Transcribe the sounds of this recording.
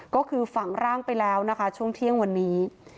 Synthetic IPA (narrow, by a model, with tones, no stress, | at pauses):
kɔː˥˩kʰɯː˧fa˨˩ŋɾaː˥˩ŋpa˧jlɛː˦˥wna˦˥kʰa˦˥t͡ɕʰu˥˩əŋt̪ʰi˥˩əŋwa˧nːiː˦˥